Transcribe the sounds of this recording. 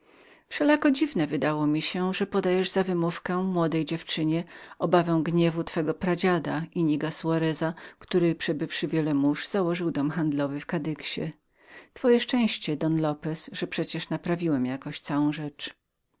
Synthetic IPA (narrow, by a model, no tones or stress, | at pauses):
fʂɛlakɔd͡ʑivnɛvɘd̪awɔmʲiɕɛʐɛpɔd̪ajɛʐz̥avɘmufkɛmwɔd̪ɛjd͡ʑɛft͡ʂɘɲɛɔbavɛ̃w̃ɡɲɛvut̪fɛɡɔpɾad͡ʑad̪aiɲiɡasuaɾɛzakt̪uɾɘpʂɛbɘfʂɘvʲjɛlɛmuʐz̥awɔʐɘwd̪ɔmxand̪lɔvɘfkad̪ɘkɕɛ̰ | t̪fɔjɛʂt͡ʂɛ̃w̃ɕt͡ɕɛd̪ɔnlɔpɛsʐɛpʂɛt͡ɕɛʂnapɾavʲiwɛmjakɔ̃ɕtsawɔ̃w̃ʐɛt͡ʂ